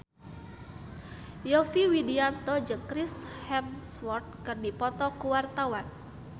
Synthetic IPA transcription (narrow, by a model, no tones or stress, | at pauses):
jɔfiwidiant̪ɔd͡ʒəkɾishɛmswɔrt̪̚kɨrdipɔt̪ɔkuwart̪awan